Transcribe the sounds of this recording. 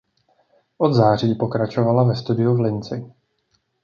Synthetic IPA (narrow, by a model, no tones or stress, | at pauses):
ʔod̪zaːr̝iːpo̞kɾat͡ʃo̞valavɛst̪udɪuvlɪnt͡sɪ